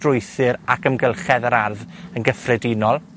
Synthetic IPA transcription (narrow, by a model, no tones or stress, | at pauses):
rʊjθɨɾakʰəmɡəlˠχɛðəɾarðənɡəfrɛdɪnɔlˠ